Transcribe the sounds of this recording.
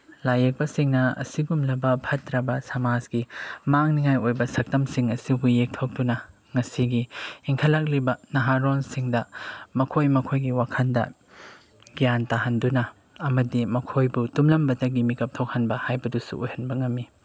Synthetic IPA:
lajek̚bɐsiŋnɐɐ̰siɡumlɐbɐpʰɐtːɾɐbɐsɐmad͡ʒɡimaŋniŋajojbɐsɐk̚tɐmsiŋɐsibujek̚tʰok̚dunɐ | ŋɐsiɡiiŋkʰɐlak̚libɐnɐɦaɾonsiŋdɐmɐkʰojmɐkʰojɡiwakʰɐndɐ̰ | ɡijantaɦɐndunɐ | ɐmɐdimɐkʰojbutumlɐmbɐdɐɡimikɐp̚tʰok̚hɐnbɐhajbɐdusṵojhɐnbɐŋɐmːi

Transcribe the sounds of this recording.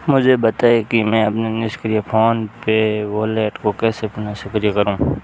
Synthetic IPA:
mʊd͡ʒʱebɐt̪aːekimɛ̃ːɐpnenɪskɾijapʰoːnpeʋoːleːʈkokɛːsepnasʊkɾijakɐɾũ

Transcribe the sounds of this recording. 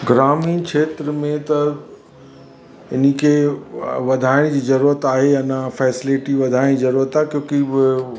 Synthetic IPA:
ɡɾaːmiːkʰeːt̪ɾəmẽt̪ɐ | ɪnəkʰe | ʋɐd̪ʱaːɪɽ̃d͡ʑiːzɐɾuːɾət̪aːɦeɐnãfɛːsɪleʈiʋɐd̪ʱaːɪɽ̃izɐɾuːɾət̪aːɦekjõːkibɪ

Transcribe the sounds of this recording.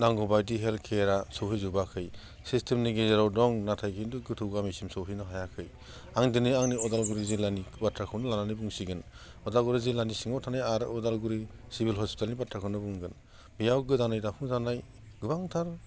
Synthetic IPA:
daŋɡɔbajdiɦelkʰeɾasɔwhʰizubakʰɯj | sistʰemniɡezeɾawdɔŋnatʰajkʰinduɡɯtʰɯwɡamisimsɔwhʰinɯɦajakʰɯj | aŋdɯnɯaŋniɔdalɡuɾizilanibatɾakʰɯwnɯlananibuŋsiɡɯn | ɔdalɡuɾizilːanisiŋɔwtʰanajaɾɯɔdalɡuɾisibilɦɔspi̥telnibatʰɾakʰɯwnɯbuŋɡɯn | bijawɡɯdanajdapʰuŋzanaj | ɡɯbaŋtʰaɾ

